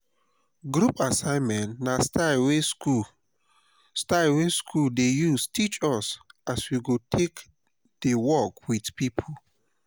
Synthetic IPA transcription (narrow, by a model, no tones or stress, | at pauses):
ɡɾupasãɪ̃nmɛ̃ntnastawesku | staɪweskʰuldejustʰit͡ʃɔsaswiɡotʰek | d̥ewɔkwidpipʰo